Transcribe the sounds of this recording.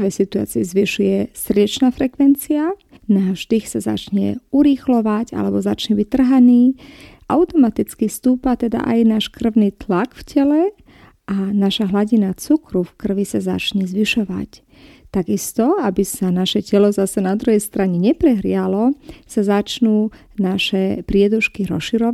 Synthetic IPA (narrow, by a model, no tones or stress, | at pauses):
ʋɛsit̪ua̰ːt͡siɛzʋiʃujɛsrɟɛt͡ʃnaːfɾɛkʋɛnt͡sia | naːvʒd̪ixsaza̰t͡ʃɲɛ̰uɾixlɔʋaca̰lɛbɔzat͡ʃɲɛbict̪r̩ɦaniːʔa̰ʊt̪ɔmat̪it͡skist̪uːpat̪ɛd̪a̰ʔa̰jnaːʃkr̩ʊniːt̪lakfcʰɛlɛ | ʔanaʃaɦlaɟinat͡sukɾufkr̩ʋisaza̰t͡ʃɲɛzʋiʃɔʋa̰c | t̪aɡist̪ɔabisanaʃɛcɛlɔzasɛnad̪ɾuɦɛjst̪ɾaɲɛɲɛpɾɛɦɾɪalɔsazat͡ʃnuː | naʃɛpɾɪɛd̪uʃkiɾɔ̰sʃiɾɔ